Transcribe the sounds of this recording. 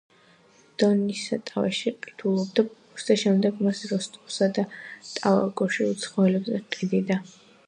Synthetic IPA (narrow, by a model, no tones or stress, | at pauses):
d̪̥ɔnisa̰t̪ʼavɛ̰ʃiqʼi̥t̪ʰulˠɔb̚d̪abkust̪ʰaʃɛmd̪ɛɡmasɾɔst̪ʼɔsad̪at̪ʼava̰ɡʼɔʃiut̪sʰχɔɛlɛbzɛqʼid̪id̪a